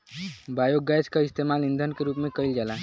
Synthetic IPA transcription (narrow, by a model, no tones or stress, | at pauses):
bajoɡːat͡ʃkaist̪emalind̪ʱənkeɾuːpmekəjld͡ʒala